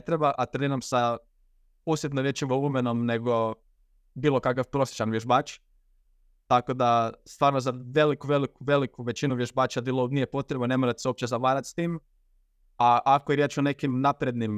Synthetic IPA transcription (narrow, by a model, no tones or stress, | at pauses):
t̪ɾebaʔat̪ɾenomsa | usjet̪noɾjet͡ʃiʋoumeno̞mne̞ɡo̞ | biːlˠo̞kakafpɾo̞sje̥t͡ʃanʋʲjeʒbaːt͡ʃ | t̪ako̞d̪ast̪ʋaːɾnozaʋe̞likuʋe̞likuʋe̞likuʋe̞t͡ɕinuʋjeʒbaːt͡ʃad̪ilˠobnijepo̞t̪ɾebone̞moɾat̪seo̞p̚t͡ɕezaʋaːɾat̪st̪iːm | aʔakojeɾjet͡ʃone̞kimnapɾe̞d̪nim